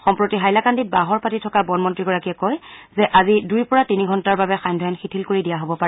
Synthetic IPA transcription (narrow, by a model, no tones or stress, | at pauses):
xɔmpɹotiɦajlakandibaɦɔɹpatitʰɔkabɔnmɔntɹiɡɔɹakiɛkɔjzɛʔazidujpɔɹatiniɡʱɔntaɹbabɛxajndʱɔjɔnxitʰilkoɹidijaɦobɔpaɹɛ